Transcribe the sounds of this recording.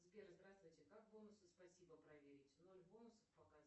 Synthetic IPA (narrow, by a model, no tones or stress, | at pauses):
zbʲerzd̪ɾast̪vʊjtʲɪkak̚bo̞nʊsɨspɐsʲibəpɾɐvʲeɾʲɪtʲno̞lʲbo̞nʊsəfpəkaz